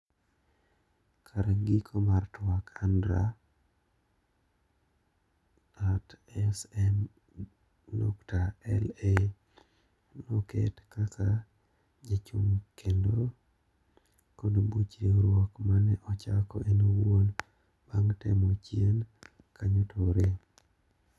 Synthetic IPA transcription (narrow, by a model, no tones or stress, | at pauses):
kʰaɾaɡikʰomartwakʰandɾa | atɛsɛm | nɔ̰ktaɛle | nokḛtkakʰa | d͡ʒet͡ʃumkendo | kodobut͡ʃɾiŋɾwɔkmanɛʔɔt͡ʃakɔʔenowwon | b̥aŋtɛmot͡ʃjen | kaɲotʰoɾe